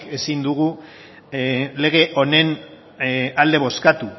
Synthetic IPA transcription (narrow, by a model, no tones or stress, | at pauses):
ke̞sind̪uɣu | le̞ɣ̞e̞ʔo̞ne̞n | ald̪e̞β̞o̞skat̪u